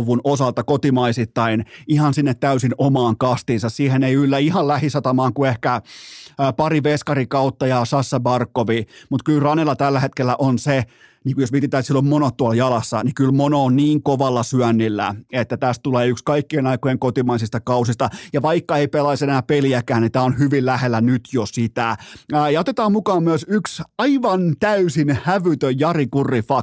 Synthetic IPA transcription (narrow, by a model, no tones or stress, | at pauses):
ʋːunosɑlt̪ɑkot̪imɑisit̪ːɑinihɑnsinːet̪tæysinomɑːŋkɑst̪iːnsɑssiːheneiylːæihɑllæhisɑt̪ɑmɑːŋkuehkæ | pɑriʋeskɑrikɑut̪ːɑjɑsɑsːɑbɑrkːoʋimut̪kylrɑnelɑt̪ælːæhet̪̚kelːæʔonse | niːŋkujosmiet̪it̪ːˑæːt̪silːommonot̪t̪ːuɑljɑlɑsːɑ̰nikylmonoːnniːŋkoʋɑlːɑsyænːilːæ̰et̪ːæt̪æst̪uleːykskɑikːienɑikojeŋkot̪imɑisist̪ɑkɑusist̪ɑjɑʋɑikːɑeipelɑisenæːpeliækæːnit̪æːonhyʋillæhelːænyt̪josit̪æjɑot̪et̪ɑːmmukɑːmmyæsyksɑiʋɑnt̪æysinhæʋyt̪øjjɑrikurːifɑ